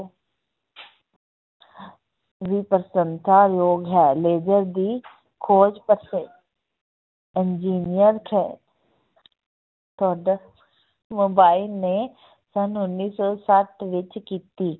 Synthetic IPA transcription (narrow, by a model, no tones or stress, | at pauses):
ʋiːpəɾsə̃nsaːjoːɡɦɛːleːd͡ʒəɾd̪iː | kʰoːd͡ʒpəɾse | ɪnd͡ʒiːnijəɾkʰɛ | t̪oːɖ | moːbaːɪlne | sənʊnːiːsɔːsəʈʰʋɪt͡ʃkiːt̪iː